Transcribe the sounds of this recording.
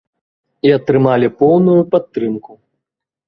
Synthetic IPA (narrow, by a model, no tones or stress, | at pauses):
iɐt̪ɾɨmalʲipɔwnujupat̪ːɾɨmku